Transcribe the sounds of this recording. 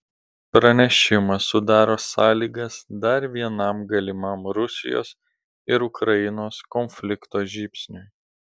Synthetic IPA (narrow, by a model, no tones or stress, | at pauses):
pɾɐnʲɛʃʲɪmɐsʊd̪ɑːɾoːsɑːlʲiːɡɐsd̪ɐɾʋʲiɛnɐmɡɐlʲɪmɐmɾʊsʲɪ̰jo̰ːs | ɪɾʊkɾɐjɪnoːskɔnʲfʲlʲɪkt̪oːʒʲiːpʲsʲnʲʊj